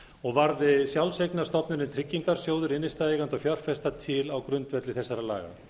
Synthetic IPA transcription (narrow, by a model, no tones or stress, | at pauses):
ɔɣvaɾðɪsjawlseknḁst̪ɔpnʏɾɪnt̪ʰɾɪcːiŋkaɾ̥sjoːwðʏɾɪnːɪst̪aeːɣant̪ɔfjœr̥fɛst̪at̪ʰɪlawkɾʏnt̪vɛt̪lɪθɛsːaɾala̰ːɣa̰